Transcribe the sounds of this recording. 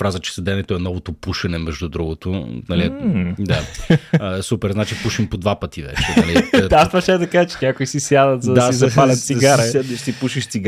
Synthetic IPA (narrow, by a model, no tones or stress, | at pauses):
pɾazət͡ʃɛ̥sɐd̪ɛnɛt̪oɛnɔvot̪opuʃɐnɛmɛʒd̪ud̪ɾuɡot̪onɐlid̪a | supɛɾznat͡ʃipuʃimpod̪vapɐt̪ivɛ̰t͡ʃɛnɐliast̪vɐʃɛd̪ɐkazt͡ʃɛ̥ɲʲakoisisjad̪ɐt̪zɐd̪asizɐfalʲɐt̪siɡaɾad̪ɐʃt̪ipuʃiʃt̪siɡ